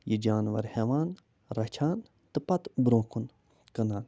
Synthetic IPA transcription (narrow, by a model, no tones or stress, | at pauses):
jid͡ʒaːnʋɐ̰ɾheʋaːn | ɾɐt͡ʃʰaːn | t̪ɨpɐt̪bɾõːkun | kɐnaːn